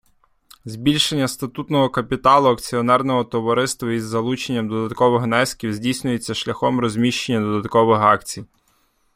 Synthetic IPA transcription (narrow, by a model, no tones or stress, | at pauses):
zbʲilʲʃenʲːɐst̪ɐt̪ut̪nɔɦɔkɐpʲit̪ɑlˠʊɐkt͡sʲiɔnɛrnɔɦɔt̪ɔʋɔɾɪst̪ʋɐizːɐlˠut͡ʃenʲːɐmd̪ɔd̪ɐt̪kɔʋɪxnɛsʲkʲiwzʲdʲijsʲnʲʊjet͡sʲːɐʃlʲɐxɔmɾɔzʲmʲiʃt͡ʃenʲːɐd̪ɔd̪ɐt̪kɔʋɪxɑkt͡sʲij